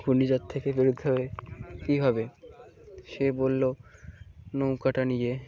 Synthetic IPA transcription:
ɡunid͡ʑat̪ʰːekebiɾud̪ʱɦɔbekibʱabe | ʃebolːo | nowkaʈanije

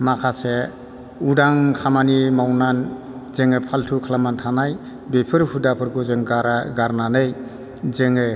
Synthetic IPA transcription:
makʰase | udaŋkʰamanimawnan | zeŋepʰaltʰukʰalamantʰanaj | bepʰɯɾhudapʰɯɾkʰɔzeŋɡaɾaɡaɾnanɯj | zeŋe

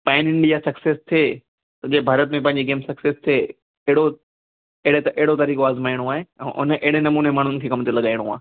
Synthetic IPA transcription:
pãːɪnɪ̃ɳɖijasɐkseːst̪ʰeː | t̪ɐd͡ʑeːbʱaːɾət̪mẽpɐ̃ɦɪ̃ɲd͡ʑiɡeːmsɐksest̪ʰeː | eɦɪɽo | eɦɪɽet̪ɐʔɛɦɪɽot̪ɐɾiːkoaːzmaːɪɽ̃oaːɦeɛ̰̃ːʔʊ̰nʔeɦɪɽenɐmuːnemaːɳ̤̃ʊnɪkʰeːkɐmt̪elɐɠaːiɽ̃oa̰ː

